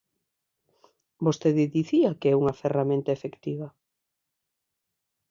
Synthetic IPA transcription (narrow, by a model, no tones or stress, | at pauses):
bost̪eðɪðiθiakeɛuŋaferamẽnt̪aefekt̪iβɐ